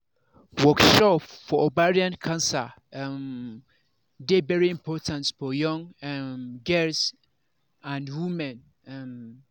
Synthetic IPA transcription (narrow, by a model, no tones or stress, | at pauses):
wɔkʃɔpfɔʔobaɹiãnkʰãnsa | m | dɪvɛɹiɪ̃mpʰɔtʰãntfɔjɔ̃ŋmɡɛls | ãnwũmɛ̃n | m